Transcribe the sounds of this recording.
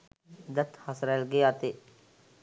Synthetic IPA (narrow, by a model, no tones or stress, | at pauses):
d̪ət̪hasɾɛlɡeaːt̪eː